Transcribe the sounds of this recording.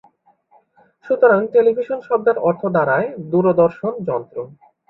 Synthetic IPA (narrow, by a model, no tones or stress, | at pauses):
ʃut̪oɾaŋʈelibʱiʃonʃɔb̚d̪aɾɔɾt̪ʰod̪aɾaed̪uɾod̪ɔɾʃond͡ʑɔnt̪ɾo